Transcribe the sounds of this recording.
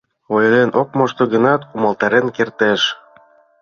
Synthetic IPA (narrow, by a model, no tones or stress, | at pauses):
ojlenʔok̚moʃt̪oɣənɑt̪umɤ̆lt̪ɑɾenkert̪eʃ